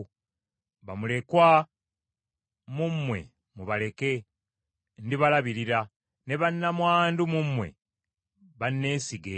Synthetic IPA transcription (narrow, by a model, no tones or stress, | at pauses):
βamule̞kwa | mumːwe̞̰ | muβale̞ke̞ | ndiβalaβiɾiɾa | ne̞βanːamwaːndumumːwe̞̰ | βanːe̞ːsiɡe